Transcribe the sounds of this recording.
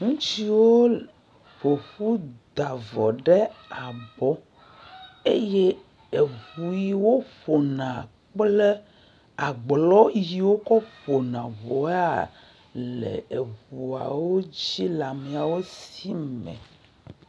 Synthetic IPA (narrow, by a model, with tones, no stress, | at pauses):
ŋũ˦t͡ʃi˦wo˦ | ɸo˨ɸu˦d̪a˨vɔ˨ɖe˦a˨bɔ˦ | e˦je˦ | e˨βu˨ji˨wo˦ɸo˨nã˨ | k͡ple˦ | a˨ɡ͡blɔ˦ji˨wo˦kɔ˦ɸo˨nã˨vo˨˦a˦˨ | lḛ˨e˨ɸu˨a̰˨wo˦d͡ʑi˦la˨me˨a˨wo˦si˦mɛ̰̃˨